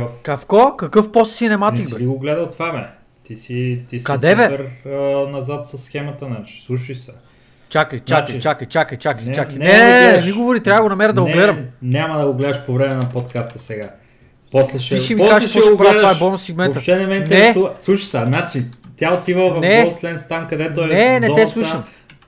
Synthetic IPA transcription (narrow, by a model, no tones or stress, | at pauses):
fkɐfkɔkɐkɤfpɔst̪sinɛmat̪ikbɛliɡoɡlɛd̪əlˠt̪vabɛ̰ | t̪isit̪iskɐdsɛbɛpɛɾnɐzat̪sɐsːxɛmɐt̪ənat͡ʃi̥slˠuʃisɛ | t͡ʃakəjt͡ʃakt͡ʃakəjt͡ʃakəjt͡ʃakəjt͡ʃakjnnɛnɛmiɡovoɾit̪ɾʲavəɡonɐmɛɾəd̪ɐɡoɡlɛd̪ɐmnʲamɐd̪ɐɡoɡlɛd̪əʃpovɾɛmɛnɐpot̪kast̪ɐsɛɡa | pɔslɛʃɛiʃɛmiazʃpʃpɾavaɛbɔlnot̪sɛɡmɛnɐʃt͡ʃ̪t̪ɛnɛmɛinnɛɾɛɛuvəslˠuʃisɛnat͡ʃit̪ʲjaot̪ivəvɐnɛoslɛnst̪amkɐd̪ɛt̪onɛnɛɛslˠuʃəm